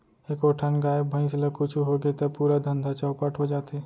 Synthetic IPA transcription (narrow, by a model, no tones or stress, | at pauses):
ekoːʈʰənɡaːebʱə̃ɪ̃sləkut͡ʃʰuɦoɡet̪əpuːɾad̪ʱə̃nd̪ʱat͡ʃaʊpaʈʰɦod͡ʒaːt̪eː